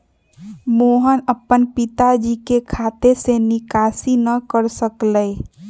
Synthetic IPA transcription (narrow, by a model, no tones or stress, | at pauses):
moːɦənəpːənpɪt̪ad͡ʒikekʰat̪esenɪkaːsinəkəɾsəkləj